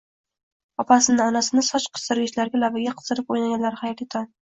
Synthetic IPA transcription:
ɒpʰasɪnɪɒnasɪnɪsɒt͡ʃqʰɨ̥st̪ɪɾɡʲɪʃlaɾɡʲalavɪɡʲaqʰɨ̥zɨɾɪpojnaɡʲanlaɾɪhajɒt̪et̪ʰan

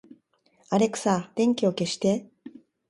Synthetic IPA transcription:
aɾe̞kɯ̟̥sad̪̥ẽ̞ŋkʲio̞ke̞ɕi̥t̪e̞

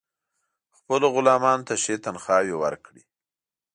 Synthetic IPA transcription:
xpəloɣʊlɑmɑnot̪aʃet̪anxɑwewə̰ɾkɽi

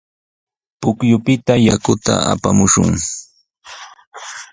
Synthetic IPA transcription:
pʊkjʊpɪt̪ajakʊt̪a̰ʔa̰pamʊʃʊ̰ŋ

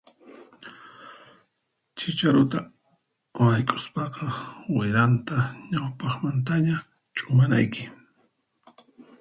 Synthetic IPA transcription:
t͡ʃɪt͡ʃaɾʊt̪a | wajkʼʊ̥spɑqɑwɪɾant̪aɲawpɑχmant̪aɲa | t͡ʃʼʊmana̰jkɪ

